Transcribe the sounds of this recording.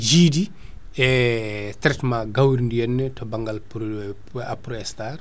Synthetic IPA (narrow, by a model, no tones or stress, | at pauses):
d͡ʒiːdi | ɛtɾɛtmaɡawiɾndijɛnːətɔbaŋɡalp | apɾɔɛstar